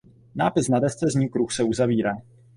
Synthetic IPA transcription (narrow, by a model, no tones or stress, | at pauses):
naːpɪsnadɛst͡sɛzɲuːkɾuxsɛuzaviːɾaː